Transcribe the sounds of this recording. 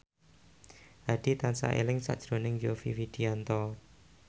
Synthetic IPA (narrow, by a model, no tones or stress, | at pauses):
ʔaɖ̥it̪ansa̰ʔḛlɪŋsa̰ʔd̥ʒ̥ɾonɪŋjofḭfid̥iant̪ɔ